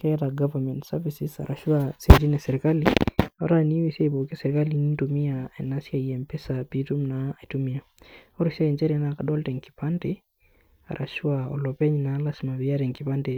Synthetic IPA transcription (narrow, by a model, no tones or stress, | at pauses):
kɛtaɡavamɛntsɛɾvisisa̰ɾaʃuased͡ʒinɛsɛɾikaliaa̰ɾaniwisebokisɛɾikalinintumiaɛnasiaiɛmpɛsapitumnaatumia | ɔɾisaɛnt͡ʃɛɾinakaɗɔltɛŋki̥pantɛ | a̰ɾʔa̰ʃuaɔ̰lɔpɛɲnalasimabiaɾɛŋkipantɛ